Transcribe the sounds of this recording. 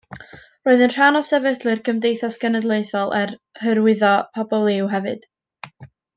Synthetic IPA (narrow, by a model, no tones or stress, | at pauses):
roːɨðənr̥anɔsɛvədlˠɨrɡəmdejθasɡ̥ənədlˠejθɔlˠʔɛr | həɾwɪðɔpʰɔbɔlˠɪwɦɛvɨd̥